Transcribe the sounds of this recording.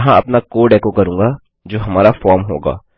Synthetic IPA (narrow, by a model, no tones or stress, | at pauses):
ɦãɐpnakoːɖɛːkokɐɾũːŋɡa | d͡ʒoːɦɐmaːɾafɔːɾmɦo̰ːɡa̰ː